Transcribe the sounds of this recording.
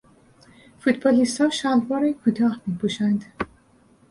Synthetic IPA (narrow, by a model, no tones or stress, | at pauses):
fut̪bɑlist̪hɒːʃalbɒːɾekʰut̪ʰɒːhmiːpʰuʃænd̪̥